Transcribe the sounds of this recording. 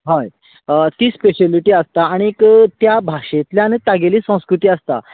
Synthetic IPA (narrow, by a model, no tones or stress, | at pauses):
ɦaj | ət̪iːspeɕeliʈiːəst̪aːɽ̃iekt̪jabʱaʂet̪ljañit̪aɡeliːsə̃w̃skɾut̪iːəst̪a̰